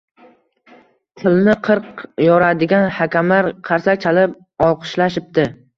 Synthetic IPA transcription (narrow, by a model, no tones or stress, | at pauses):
t̪ʰɨlnɪqʰɨɾqjɒɾad̪ɪɡʲanhakʲamlaɾqʰɑɾsak̚ʲt͡ʃʰalɪp̚ | ɒlˠqʰɨ̥ʃlaʃɪp̚t̪ɪ